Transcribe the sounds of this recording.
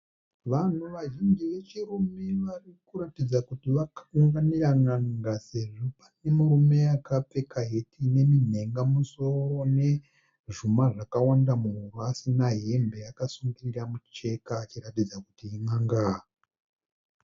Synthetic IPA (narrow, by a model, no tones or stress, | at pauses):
ʋan̤uʋaʒiŋd͡ʒiʋe̞t͡ʃirume̞ʋarikuɾatid͡zakutiʋakauŋɡaniɾaŋaŋɡase̞ʐopane̞muɾume̞jakap͡fe̞kaɦetine̞min̤e̞ŋɡamuso̞rone̞ | ʐumaʐakawandamuɦuruasinaɦe̞mbe̞jakasuŋɡiriramut͡ʃe̞kaːt͡ʃiɾatid͡zakutiiŋaŋɡa